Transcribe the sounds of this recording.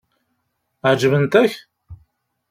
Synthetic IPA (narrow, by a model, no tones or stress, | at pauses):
ʕd͡ʒvənt̪æç